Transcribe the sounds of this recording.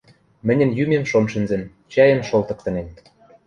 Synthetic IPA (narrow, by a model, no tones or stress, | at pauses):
mɘ̆nʲə̆njymemʃonʃɘ̆nzɘ̆n | t͡ɕɑjə̆nʃolt̪ɤ̆k̚t̪ɤ̆nen